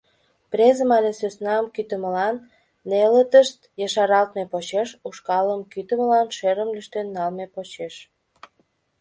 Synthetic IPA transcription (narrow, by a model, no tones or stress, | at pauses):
prezəmɑlʲesøsnɑəmkyt̪əməlɑnː | elət̪əʃt̪jəʃɑɾɑlt̪mepot͡ɕeʃuʃkɑləmkyt̪əməlɑnʃeɾəmlyʃt̪enːɑlmepot͡ɕeʃ